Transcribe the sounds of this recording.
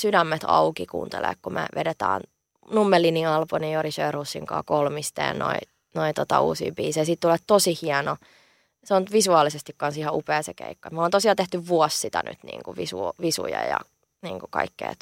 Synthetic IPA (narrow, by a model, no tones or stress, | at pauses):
sydæmːet̪ʰɑukikṵːnt̪elḛːkkumḛʋḛdet̪æ̰ːn | numːelːiniɑlponijoɾisøːrhusːiŋkɑ̰ːkolmist̪ḛːnno̰i | noit̪ot̪ɑuːsḭːbiːsejɑsit̪t̪ulet̪t̪osihiɑno | seont̪ʋisuɑːlisest̪ikkɑnsihɑʔupeːsekḛikːɑet̪moleːnt̪osiɑlt̪eht̪yʋʋuɔssit̪æny̰t̪nḭːŋkuʋisuʋisṵjɑ̰jɑ̰ | niːŋkukɑ̰ikːḛːt̪